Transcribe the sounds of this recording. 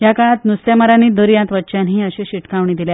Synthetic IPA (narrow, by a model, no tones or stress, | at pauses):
jakaɭãt̪nusjamaɾaniːd̪əɾijãnt̪ʋətːt͡ɕanɦiːəɕẽɕiʈkãʋɳiːd̪ilja